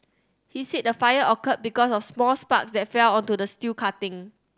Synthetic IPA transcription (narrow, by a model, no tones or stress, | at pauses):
hisit̚dəfajəʔɔkət̚bikɔsɔfsmɔlspaksdɛt̚fɛlɔ̃ntudəstikʰatɪ̃ŋ